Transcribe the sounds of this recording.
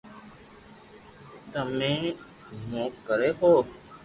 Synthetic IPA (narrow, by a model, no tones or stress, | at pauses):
t̪əmẽː | moːkkːəɾeːɦoː